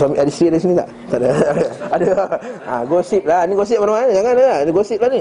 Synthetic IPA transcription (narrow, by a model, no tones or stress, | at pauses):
samiʔadist̪ɾidaɣis̬inĩt̪a̰ʔ | t̪aʔdaadəadəa̰ɡosip̚laniɡos̬ip̚manamanɡaŋanaaniɡosip̚lani